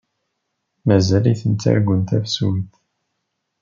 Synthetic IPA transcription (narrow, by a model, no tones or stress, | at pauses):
mæzæliθənt͡s̪ːæ̰ɾɡʷənt̪æfsumθ